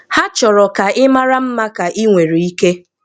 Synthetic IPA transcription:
ha˦t͡ʃɔ˨ɾɔ˨ka˨ɪ˦ma˦ɾa˦m̩˦ma˦ka˨ʔi˦ŋʷe˨ɾe˨i˦ke˦

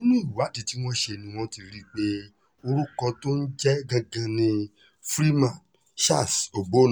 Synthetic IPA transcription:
nũ˦i˦˨u˨wa˨˦˨ti˨ti˦w̃ɔ̃˦ʃe˧nĩ˧w̃ɔ̃˧ti˧ɾi˦k͡pe˦ | o˧ɾu˦kɔ˧to˦n̩˦d͡ʒɛ˦ɡã˧ɡã˧nĩ˧ | fɾi˦mã˨ | ʃa˦˨so˨bo˦n˨

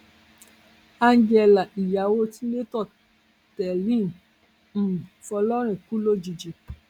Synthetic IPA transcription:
a˧n˦d͡ʒɛ˧la˨i˨ja˨˦wo˧˦ti˦le˦tɔ˦˨ | tɛ˨lĩ˦˨ñ̩˨ | fɔ˧lɔ˦ɾ̃ĩ˨ku˦lo˦d͡ʒi˧˨d͡ʒi˧

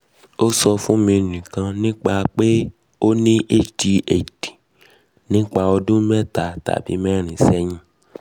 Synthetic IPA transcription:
o˦sɔ˧fũ˦mĩ˧˨nĩ˨kã˧nĩ˦k͡pa˧k͡pe˦ | o˦nĩ˦ʔe˦˨ti˧ʔe˨di̥˨ | nĩ˦k͡pa˧ɔ˧dũ˦mɛ̃˦˨ta˨ta̰˨bḭ˨˦mɛ̃˦ɾ̃ĩ˨sɛ˧ɲĩ˦

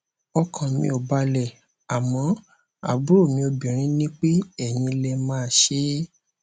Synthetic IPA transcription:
ɔ˧kʰã˨mḭ̃˧˦o˨ba˧˦lɛ˨ | a˨mɔ̃˨˦ | a̰˨bu˦o˦˨mĩ˧o˧bĩ˨ɾ̃ĩ˨˦nĩ˦k͡pe˦ɛ˦˨j̃ĩ˧lɛ˧mãː˦˧˦ʃe˦

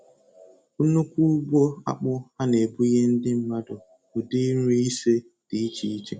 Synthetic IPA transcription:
u˦nu˦kʷu˦bo˦a̰˦k͡pʊ˦a˦ne˨bu˦je˦n̩˦dɪ˦m̩˦ma˦dʊ˨ | ʊ˨dɪ˦ɾi˦i˦se˦ | d̥i˨i˦t͡ʃi˦i˦t͡ʃe˦

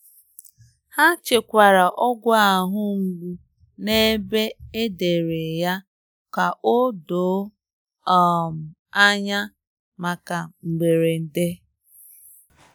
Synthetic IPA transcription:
ha˦t͡ʃe˨kʷa˨ɾa˨ʔɔ˦ɡʷʊ˦a˨ɦʊ˦ŋ͡m̩˨ɡ͡bu˨ | ne˦be˦e˦de˨ɾe˨ja˦ | ka˨ʔo˦doː˨˦ | ɔ˦m̩˨ | a˦ɲa˦ | ma˨ka˨ŋ͡m̩˨ɡ͡be˨ɾe˨n̩˨de˦

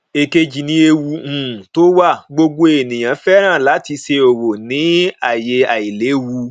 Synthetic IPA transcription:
e˧ke˧d͡ʒi˨nĩ˧˦e˧wu˧ũ˨to˦wa˦˨ɡ͡bo˧ɡ͡bo˧e˨nĩ˨j̃ã˧˦fɛ˦ɾ̃ã˦˨la˨˦ti˧ʃe˧o˨wo˨nĩ˨˦a˦˨je˧a˨i˨le˨˦wu˧˦

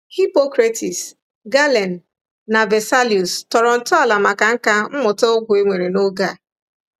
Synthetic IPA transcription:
hi˦po˦kɾe˦ti˨s | ɡa˦lɛ˨nː˨ | a˨ve˨sa˦lju˨stɔ˨ɾɔ˨n̩˨tɔ˦a˨la˨ma˨ka˨ŋ̩˦ka˦m̩˦mʊ˨to˦ɡʷu˨e˦ŋʷe˨ɾe˨no˦ɡa˦˨

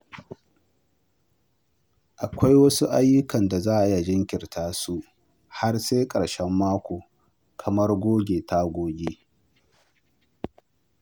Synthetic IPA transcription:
ʔa˨kʷa˦jwɐ˦su˦ʔa˦jːʊ˦kɐ˨nda˨zaː˦ʔa˨˦ja˨d͡ʒɪ˦ŋkʲɪ˨rtʰaː˦su˦ʔ | ha˦rse˦jkʼɐ˨ɽʃɛ˦mːaː˦kʷoː˨ | kʰɐ˨mɐ˦rɡʷoː˦ɡʲeː˨ta˦ɡʷoː˦ɡʲiː˦

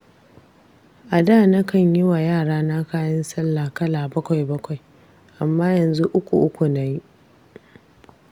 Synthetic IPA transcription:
ʔa˨daː˦˨na˦kɐ˦ɲjɪ˦wa˨jaː˦˨ɽaː˦na˦kaː˦jɐ˦nsɐ˦lːaː˨kɐ˦laː˨bɐ˦kʷa˨jbɐ˦kʷa˨j | ʔa˨mːaː˦jɐ˨nzu˦ʔʊ˦kʷu˨ʔʊ˦kʷu˨na˦ji˦

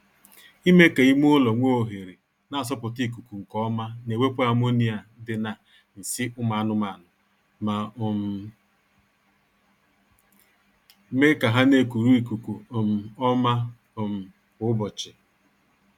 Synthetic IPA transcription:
i˦me˦ke˨i˦m˦o˦lɔ˨ŋʷo˦o˨ɦe˨ɾi˨ | na˨a˨s̬ɔ˦pʊ˨ti˦˨k̬u˨ku˨ŋ̩˨kɔ˦ma˦ne˨we˦pʊ˦a˨mo˦ni˦a˨˦dɪ˨na˨ | n̩˨sɪ˦ʔʊ˦ma˨nʊ˦ma˨nʊ˨ | ma˨˦ | me˦ka˨ɦa˦ne˨ku˨ɾu˦i˨ku˨ku˨m̩˨ɔ˦ma˦˨ | m̩˨ | ʊ˦bɔ˨t͡ʃɪ˨

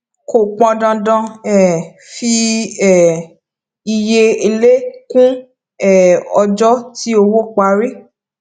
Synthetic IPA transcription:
ko˨k͡pɔ̃˧dã˧dã˧ɛ˦˨ | fi˧ɛ˦˨ | i˧je˧e˧le˦kũ˦ | ɛ˦˨ɔ˧d͡ʒɔ˦ti˦o˧wo˦˨k͡pa˧ɾi˦

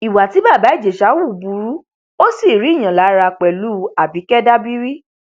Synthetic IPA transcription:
i˨wa˨ti˨˦ba˦˨ba˨˦i˦˨d͡ʒe˨ʃa˨˦wu˦˨bu˧ɾu˦ | o˦si˦˨ɾi˨˦˨j̃ã˨la˨˦ɾa˧˨k͡pɛ˨lu˦a˨bi˨˦kɛ˦da˦bi˦ɾi˦

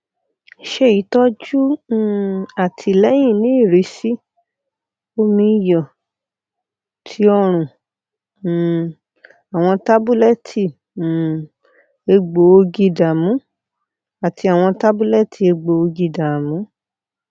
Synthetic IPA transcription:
ʃe˦˨i˨˦tɔ˦d͡ʒũ˦ | a˨tʰi˧˨lɛ˨˦j̃ĩ˦˨nĩ˨˦i˦˨ɾi˨˦si˦ | o˧mĩ˧jɔ˨ | tʰi˧˦ɔ˧ɾ̃ũ˨ | a˨w̃ɔ̃˧ta˦bu˦lɛ˦tʰi˦˨ | e˧ɡ͡bo˨o˧ɡi˧da˨mũ˨˦ | a˨tʰi˧a˨w̃ɔ̃˧ta˦bu˦lɛ˦tʰi˨e˧ɡ͡bo˨o˧ɡi˧da˨mũ˨˦

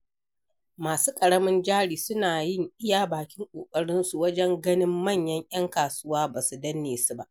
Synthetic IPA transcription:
maː˨suː˦kʼɐ˨ɽɐ˦mɪ˦nd͡ʒaː˦ɽiː˨sʊ˦naː˨jɪ˦˨ŋʔɪ˦jaː˦baː˨kʲɪ˦ŋkʷʼoː˨kʼɐ˨ɽɪ˦nsu˨wɐ˦d͡ʒɛ˦ŋɡɐ˦nɪ˦mːɐ˦˨ɲjɐ˦ɲʔj̰ɐ˦ŋkaː˨sʊ˦waː˦baː˨su˨dɐ˦nːeː˨su˦ba˦ʔ

